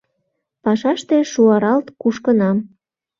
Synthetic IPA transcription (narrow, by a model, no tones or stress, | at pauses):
pɑʃɑʃt̪eʃuɑɾɑlt̪kuʃkənɑm